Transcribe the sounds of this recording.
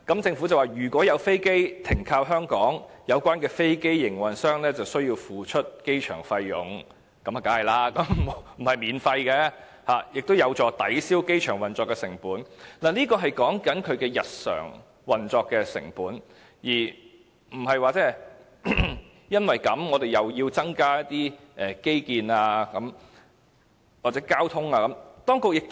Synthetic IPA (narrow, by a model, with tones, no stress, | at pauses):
kɐ˨˥mt͡sɪ˧ŋfu˨˥t͡sɐ˨waː˨˩jyː˨˩kʷwɔː˨˥jɐ˨˧wfe˥jke˥jt̪ʰɪ˨˩ŋkʰaː˧wɦœː˥ŋkɔː˨˥ŋjɐ˨˧wkʷaː˥nkɛː˧fe˥jke˥jːɪ˨˩ŋwɐ˨˩nsœː˥ŋlɛː˥t͡sɐ˨wsɵ˥ɥjiː˧wfuː˨˩t͡ʃʰɵ˥t̚ke˥jt͡ʃʰœː˨˩ŋfɐ˧jːʊ̰˨˧ŋ | kɐ˨˥mɐ˨kaː˨˥hɐ˨˩jlaː˥kɐ˨˥m˨˩˨m̩˨˩hɐ˨jmiː˨˧nfɐ˧jkɛː˧ | haː˨jɪ˨k̚t̪o˥wjɐ˨˧wt͡sɔː˨˧t̪ɐ˨˥jsiː˥wke˥jt͡ʃʰœː˨˩ŋwɐ˨nt͡sɔː˧kːɛː˧sɪ˨˩ŋpuː˨˥nnaː˨˩niː˥kɔː˧ɦɐ˨jkɔː˨˥ŋkɐ˨˥nkʰɵ˨˧ɥkɛː˧jɐ˨t̚sœ̰ː˨˩ŋ | wɐ˨nt͡sɔː˧kːɛː˧sɪ̰˨˩ŋpuː˨˥n | jiː˨˩ | m̩˨˩hɐ˨jwaː˨˧t͡sɛː˥ | jɐ˥nwɐ˨jkɐ˨˥mŋɔː˨˧d̪e˨jɐ˨˩wjiː˧wt͡sɐ˥ŋkaː˥jɐ˥t̚t̪iː˥ | ʔɛː˨˩ke˥jkiː˨naː˧kɐ˨˥m | waː˨t͡sɛ˨˥kaː˥wt̪ʰʊ˥ŋaː˧kɐ˨˥mt̪ɔː˥ŋkʊ˨k̚jɪ˨k̚t̪